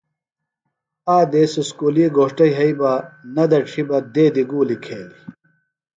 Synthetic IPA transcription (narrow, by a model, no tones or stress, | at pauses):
aːd̪eːsuskuːliːɡoːʂʈɐjɦɐibɐnɐd̪ɐʈ͡ʂʰibɐd̪eːd̪iɡuːlikʰeːli